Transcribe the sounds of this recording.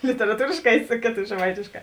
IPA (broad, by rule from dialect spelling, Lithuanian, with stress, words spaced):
lʲɪtʲɛrɐˈtuːrʲeːʃˌkɑː ɪ ˈsʊ kʲeːˌtoː ʒʲɛˈmɐɪtʲeːʃˌkɑː